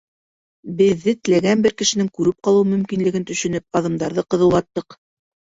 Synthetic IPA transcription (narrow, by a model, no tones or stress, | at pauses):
bɘ̆ðːɘt̪ɘ̆læɡænbɘɾkɘ̆ʃɘ̆nɘŋkʉɾɘp̚qɑlˠɤwmɵ̆mkinlɘ̆ɡɘnt̪ɵ̆ʃɵ̆nɘp̚ɑðɤ̆md̪ɑɾðɤqɤ̆ðɤwˠɑt̪ːɤq